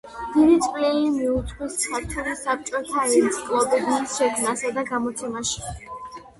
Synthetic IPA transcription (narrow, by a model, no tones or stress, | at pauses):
md̪̥iɾit̪sʼqʼlilimiut̪sʼqwissap̚t͡ʃʰɔɾisap̚t͡ʃʼɔt̪ʰaɾinskʼlˠɔbɛd̪iːsʃɛkʰmnasad̪aɡamɔt̪sʰɛmaʃi̥